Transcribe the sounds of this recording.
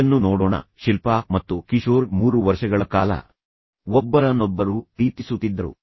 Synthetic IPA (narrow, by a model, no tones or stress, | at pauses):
ɐnːunoːɽɔːɳɐ̰ʃilpaːmɐt̪ːukiʃoːɾmuːɾuʋɐɾʃɐɡɐɭɐkaːlɐ̰ | ɔbːɐɾɐnɔbːɐɾupɾiːt̪isut̪ːid̪ːɐɾṵ